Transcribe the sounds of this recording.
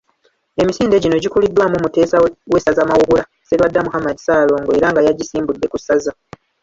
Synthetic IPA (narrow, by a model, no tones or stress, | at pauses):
e̞misiːnde̞ɟino̞ɟikulidːwamumuteːsawe̞sazamawuɡula | selwadːamuhamadisaːlo̞ːŋɡoe̞ɾaŋɡajaɟisiːmbudːe̞kusaza